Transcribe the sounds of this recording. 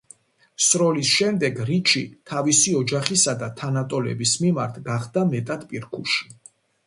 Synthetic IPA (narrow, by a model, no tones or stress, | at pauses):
sɾɔlisʃɛmd̪ɛɡɾit͡ʃʰit̪ʰavisiɔd͡ʒaχisad̪at̪ʰanat̪ʼɔlɛ̰bismimaɾt̪ʰɡaχd̪amɛt̪ʼad̪pʼiɾkʰṵʃi̥